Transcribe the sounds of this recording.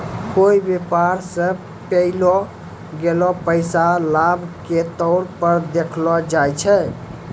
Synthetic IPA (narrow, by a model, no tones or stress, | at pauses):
koibepaɾsə | pəlɔ | ɡelɔpəjsalabʱket̪ɔɾpəɾd̪ekʰlɔd͡ʒajt͡ʃʰɛ